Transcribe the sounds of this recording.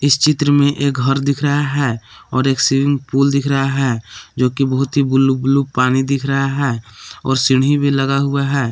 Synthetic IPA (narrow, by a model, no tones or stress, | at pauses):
ɪst͡ʃɪt̪ɾəmẽʔeːk̚ɡʱɐɾd̪ɪkʰɾəɦaɦɛːɔːɾeːksiʋɪ̃ŋɡpuːld̪ɪkʰɾəɦaɦɛːd͡ʒoːkibəɦʊt̪ɦibʊlublupaːnid̪ɪkʰɾɐɦaɦɛːɔ̰ːɾsɪɽɦibʱilɐɡaɦʊaɦɛː